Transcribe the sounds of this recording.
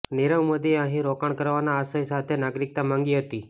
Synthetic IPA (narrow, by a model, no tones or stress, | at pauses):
niɾəmmod̪ieə̃ɦĩɾokaɳkəɾʋanaːsəjsat̪ʰenaɡɾik̚t̪amãŋɡiɦət̪i